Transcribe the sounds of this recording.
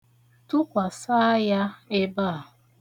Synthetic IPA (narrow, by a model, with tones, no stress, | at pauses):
tu˦kʷa˨sa˦ja˦e˦ba˦˨